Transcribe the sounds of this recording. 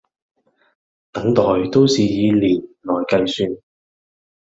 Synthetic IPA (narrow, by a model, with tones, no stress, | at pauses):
t̪ɐ˨˥ŋt̪ɔː˨˩jt̪o˥wsiː˨jiː˨˧liː˨˩nlɔː˨jkɐ˧jsyː˧n